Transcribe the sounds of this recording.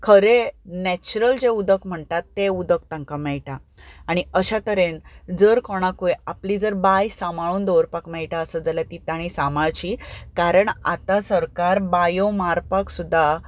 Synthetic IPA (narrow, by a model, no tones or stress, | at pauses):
kʰəɾenɛt͡ɕuɾəld͡ʑeud̪əkm̤əɳt̪at̪ːeud̪əkt̪ãŋkamɛɭʈaː | ɽ̃iəɕat̪əɾend͡zəɾkɔɽ̃akujaplid͡zəɾbajsamaɭuːnd̪oʋɾpakmɛɭʈaəsəd͡zalat̪it̪aɽ̃isamaɭt͡ɕikaɾəɳa̰t̪asəɾkaɾbajomaɾpaksud̪ʱːa